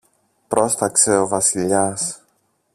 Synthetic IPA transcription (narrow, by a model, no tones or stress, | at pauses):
pɾo̞st̪ɐkse̞o̞vɐsiʎɐs